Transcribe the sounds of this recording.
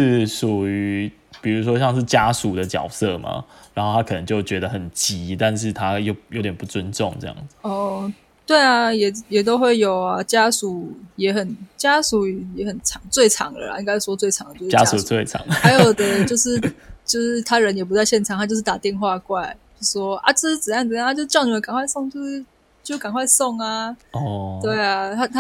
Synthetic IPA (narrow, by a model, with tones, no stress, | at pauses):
ʂɻ̩˥˩su˨˩y˧˦ | pi˨˩ɻu˧˥s̬wɔ˦˥ɕ̬jɑ˥˧ŋʂ̬ɻ̩˥˩t͡ɕja˦su˨˩d̪ə˦t͡ɕjɑ˨˩ʊsɤ˥˩ma̰˩ɻa˧˥nxo˥˩t̪ʰa˦˥kʰɤ˨˩nə˧˦ŋt͡ɕjo˥˩ʊt͡ɕɥɛ˧˦d̪ə˨xə˨˩nt͡ɕi˧˥t̪a˥˧nʂ̬ɻ̩˥˩t̪ʰa˦jo˥˩ʊjo˧˦ʊt̪jɛ˨˩pu˥˩t͡swə˦nʈ͡ʂʊ˥˨ŋʈ͡ʂɤ̰˥˧jɑ̰˥˩ŋ˩ɔ˥˧˩ | t̪we˥˩ɪa˩jɛ˨˩jɛ˨˩t̪o˥ʊxwe˥˩ɪjo˨˩ʊa˨t͡ɕja˦˥su˨˩˦jɛ˨˥xə˨˩nt͡ɕja˥su˨˥jɛ˨˧˥xə˨˩nt͡sʰɑ˨˧˦ŋt͡swe˥˩ɪʈ͡ʂʰɑ̰˨˦ŋlə̰˨˩la̰˧˦i˥ŋka˥ɪ˥˧˩wɔ˥t͡swe˥˩ɪʈ͡ʂʰɑ˨˦ŋə˨t͡ɕjo˥˧˩t͡ɕja̰˦su˨˩twe˥˩ɪt͡sʰɑ̰˨˦ŋa˧˦ɪjoo˨˩d̪ə˨t͡ɕjo˥˧ʊʂɻ̩˥˧t͡ɕjo˥˧ʊʂɻ̩˥˧t̪ʰa˥ɻə˧˦njɛ˨˩p̬u˧˦t͡sa˥˧ɪɕjɛ˥˩nʈ͡ʂʰɑ˨˦ŋa˥t͡ɕjo˥˧ʂ̬̩˥˩t̪a˨˩t̪jɛ˥˧˨nxwa˥˧kwa˥˩ɪt͡ɕo˥˧sʂwɔ˦ʔa̰˥˧t͡ɕ̩˥˧ʂ̩˥t͡sə˨˩jɑ˥˩ŋə˩jŋa˥t͡ɕjʊʂ̩˥jɑ˥˩ʊn˨˩ə˦˥ka˨ŋkʰwa˥˧ɪsɔ˥˧ŋt͡ɕjo˥˧ʊʂ̩˥˧ | t͡ɕjo˥˧ʊʂ̩˥ka˨˩ŋkwa˥˧ɪsɔ˥˧ŋa˨ɔ˥˩t̪we˥˩ɪa˩a˥t̪ʰa˥